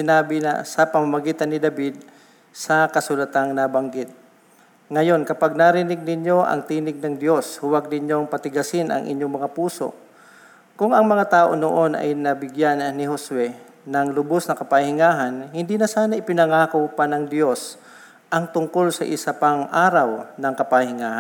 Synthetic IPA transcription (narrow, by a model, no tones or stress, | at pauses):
sɪnaːbɪnɐ̰sɐpɐmamɐɡiːt̪ɐnːɪd̪ɐbɪd̪̚ | sɐkɐsʊlɐt̪aŋnabɐŋɡɪt̪̚ | ŋɐjo̞nkɐpaɡ̚naɾɪnɪɡ̚nɪɲjo̞ʔɐ̰ŋt̪iːnɪɡ̚nɐŋd̪jo̞shʊwaɡ̚nɪɲjo̞ŋpɐt̪ɪɡɐsɪnʔɐ̰ŋʔɪ̰ɲjoŋmɐŋapuːso̰ | kʊŋɐŋmɐŋat̪aːʔo̞noʔo̞nʔɐ̰jnɐbɪɡjannɪɦoswɛ | nɐŋlʊbosnɐkɐpahɪŋaːɦɐnhɪnd̪iːnɐsaːnɐʔɪpɪnɐŋaːkowpanɐŋd̪jo̞s | ʔɐŋt̪ʊŋko̞lsɐ̰ʔɪ̰sapaŋʔaːɾawnɐŋkɐpahɪŋaːha